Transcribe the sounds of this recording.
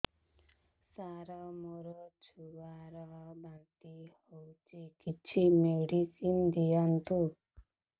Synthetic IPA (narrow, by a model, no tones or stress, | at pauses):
saɾɔmoɾɔt͡ʃʰuwaɾɔbant̪ihowt͡ʃekit͡ʃʰimeɖisimd̪ijɔnt̪u